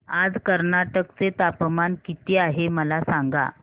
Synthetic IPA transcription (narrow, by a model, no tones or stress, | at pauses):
ad͡zkəɾnaʈəkt͡set̪apmankit̪iːaɦeməlasaŋɡa̰